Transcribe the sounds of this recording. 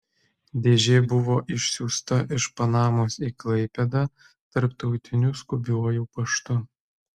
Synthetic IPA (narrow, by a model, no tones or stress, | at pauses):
d̪ʲeːʒʲeːbʊʋoːʔɪʃʲsʲuːst̪ɐʔɪʃpɐnɑːmoːsiːklˠɐɪpʲɛd̪ɑ | t̪ɐɾpt̪ɒʊt̪ʲɪnʲʊskʊbʲuɔjuːpɐʃt̪ʊ